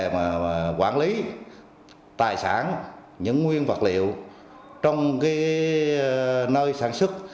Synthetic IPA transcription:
maː˨˩kwaː˧˩nli˨˦ | t̪aː˨˩jsaː˧˩n | ɲɨ̰˧˥ŋŋwi˧ənvə˨˩t̚lḭ˧˨əw | t͡ɕɔ˧wŋ͡mkaː˨˦j | nəː˧jsaː˧˩nswɨ˦˥k̚

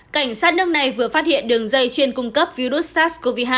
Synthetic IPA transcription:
ka˧˩jŋ̟saː˦˥t̚nɨ˦˥ək̚na˨˩jvɨ˨˩əfaː˦˥t̚hḭ˧˨ənɗɨ˨˩əŋzə˧jt͡ɕe˧nkʊ˧ŋ͡mkə˦˥p̚vi˧ɗu˦˥t̚st̪aː˦˥sko˧vi˧ɦaː˧˩

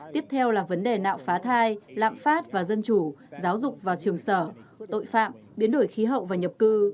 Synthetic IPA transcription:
t̪i˦˥əp̚t̪ʰɛ˧wlaː˨˩və˨˦nɗe˨˩na̰ː˧˨wfaː˨˦t̪ʰaː˧jla̰ː˧˨mfaː˦˥t̚vaː˨˩zə˧nt͡ɕu˧˩zaː˨˦wzʊ˨˩k͡p̚vaː˨˩t͡ɕɨ˨˩əŋsəː˧˩t̪o̰˧˨jfa̰ː˧˨m | ɓi˨˦ənɗo˧˩jxi˨˦ɦə̰˧˨wvaː˨˩ɲə˨˩p̚kɨ˧

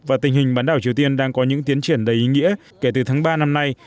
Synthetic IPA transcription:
vaː˨˩t̪ï˧˩ŋ̟hi˨˩ŋ̟ɓaː˨˦nɗaː˧˩wt͡ɕi˨˩əwt̪i˧ənɗaː˧ŋkɔ˨˦ɲɨ̰˧˥ŋt̪i˨˦ənt͡ɕi˧˩ənɗə˨˦jʔi˨˦ŋḭ˧˥ə | ke˧˩t̪ɨ˨˩t̪ʰaː˨˦ŋɓaː˧na˧mna˧j

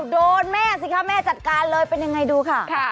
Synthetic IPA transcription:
doː˧nmɛː˥˩s̬i˨˩kʰa˦˥˩mɛː˥˩t͡ɕa˨˩t̪̚kaː˧nlɤː˧jpe˧nja˧ŋa˧jduː˧kʰa˥˩kʰa˥˩

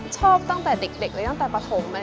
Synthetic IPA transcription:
t͡ɕʰɔː˥˩p̚t̪a˥˩ŋt̪ɛː˨˩de˨˩k̚le˨˩k̚lɯː˨˧˦t̪a˥ŋt̪ɛː˨˩pa˧t̪ʰo˨˧˦mːə˧

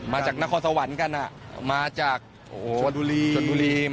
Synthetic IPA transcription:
maː˧t͡ɕaː˨˩k̚na˦˥kʰɔː˧nsa˧wa˩˦nka˧nʔa˨˩maː˧t͡ɕaː˨˩k̚ | ʔo˨oː˨˩˧i˧u˧liː˧

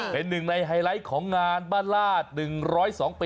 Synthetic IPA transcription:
pe˧nːɯ˨˩ŋna˧jɦa˧jla˦˥jkʰɔː˩˦ŋːaː˧nbaː˥˩nlaː˥˩t̪̚nɯ˨˩ŋɾɔː˦˥jsɔː˩˦ŋpiː˧

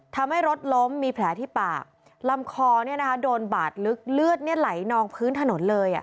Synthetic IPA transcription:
t̪ʰa˧mha˥˩jɾo˦˥t̪̚lo˦˥mːiː˧pʰlɛː˩˦t̪ʰiː˥˩pa̰ː˨˩k̚ | la˧mkʰɔː˧ni˥˩na˦kʰa˦˥doː˧nba̰ː˨˩t̪̚lɯ˦˥k̚lɯ˥˩ət̪̚ni˥˩ɐla˩˦jnɔː˧ŋpʰɯː˦˥nt̪ʰa˧no˩˦nlɤː˧jʔa̰˨˩

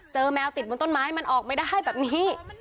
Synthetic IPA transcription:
t͡ɕɤː˧mɛː˧wt̪i˨˩t̪̚bo˧nt̪o˥˩nmaː˦˥ha˥˩jma˧nʔɔː˨˩k̚ma˥˩jda˥˩ɦa˥˩jbɛː˨˩p̚niː˦˥

